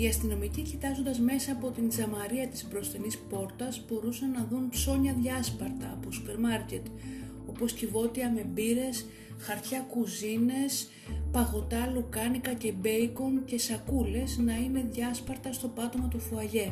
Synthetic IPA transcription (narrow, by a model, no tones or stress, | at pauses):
iɐst̪ino̞micicit̪ɐzo̞nd̪ɐzme̞sɐːpo̞t̪ind͡zɐmɐɾiɐt̪i̥spɾo̞st̪enispo̞ɾt̪ɐsbo̞ɾusɐnːɐðunpso̞ɲɐðʝɐspɐɾt̪ɐːpo̞supe̞ɾmɐɾce̞t̪ | o̞po̞scivo̞t̪iɐme̞biɾe̞s | xɐɾt̪çɐkuzine̞s | pɐɣo̞t̪ɐlukɐnikɐce̞be̞jko̞nce̞sɐkule̞znɐine̞ðʝɐspɐɾt̪ɐst̪o̞pɐt̪o̞mɐt̪ufuɐʝe̞